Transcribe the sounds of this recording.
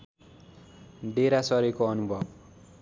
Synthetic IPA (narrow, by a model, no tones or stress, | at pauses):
ɖeɾasʌɾikoʌnubʱʌb